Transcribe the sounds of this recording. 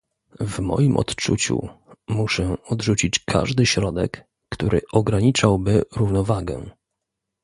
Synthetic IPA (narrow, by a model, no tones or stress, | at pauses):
vmɔ̰jimʔɔ̰t̪t͡ʂṵt͡ɕṵmuʂɛɔd̪ʐut͡ɕit͡ɕkʰa̰ʐd̪ɘɕɾɔd̪ɛkː | t̪uɾɘ̰ʔɔɡɾaɲit͡ʂawbɘɾuvnɔvaɡɛ̰̃